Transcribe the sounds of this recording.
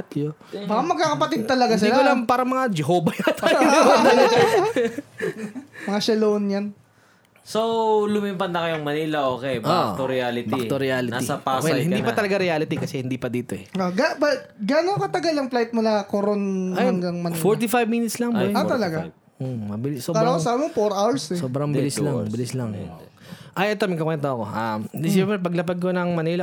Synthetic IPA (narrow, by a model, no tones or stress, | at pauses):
t̪jobakamɐɡ̚kːaːkɐpɐt̪id̪̚t̪ɐlɐɡas̬ɪlakolɐŋpaːɾɐmɐŋad͡ʒɛɦoːbɐjɐt̪ːoɐ | mɐŋaʃɛlownjan | solʊmimpɐnːɐkɐjʊŋmɐniːlɐʔoːkɛbʔot̪oɾɪalɪtb̪ik̪oɾɪaːlɪntaisɐpaswɛlhɪnd̪iːppɐt̪ɐlɐɡaɾɛaːlɪt̪ikɐsɛhɪnd̪ipɐd̪iːt̪oɛoɡabɐt̪ɡaːnoŋkɐt̪ɐɡalɐŋplajt̪̚mʊlakoɾonahɐŋɡɐŋmɐnfoɹt̪ifajbmiːnɪt̪slɐŋbot̪ɐlɐɡa | omɐbɪlɪsoːkaɾakosaːbɪmɐfoɾʔawɛsɛssoːbɾɐŋbɪlɪslɐbɪlɪslɐŋ | ʔɐjʔɛt̪omɐɡkɐkwɛnt̪oɐko̞ʔamd̪ɪsɛmɾɛpɐɡlɐpɐd̪̚konɐŋmɐnilɐ